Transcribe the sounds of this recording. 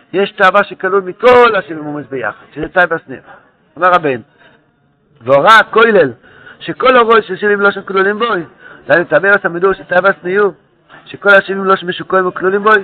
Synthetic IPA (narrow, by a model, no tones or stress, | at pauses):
jeʃt̪aːvaʃekalulmikolaʃivimomezbeja̰χad̥ʃezetajvasnḭjṵ | omeʁabeno | voʁakojlel | ʃekoloʁojʃeʃivimloʃemklulimbojdamet̪abevasamiduʃet̪ajvasniju | ʃeko̞laʃivimloʃmeʃukoimoklulimboj